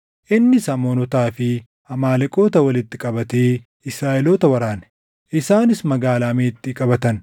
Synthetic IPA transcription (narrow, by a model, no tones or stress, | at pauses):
ʔɪnːɪsɐmoːnɔt̪aːfɪ | hɐmaːlɛkʼo̞ːt̪ɐwɐlɪt̪ːɪkʼɐbɐt̪eː | ɪsɾaːʔɛlo̞ːt̪ɐwɐɾaːn | ʔɪsaːnɪsmɐɡaːlaːmeːt̪ːɪkʼɐbɐt̪ɐn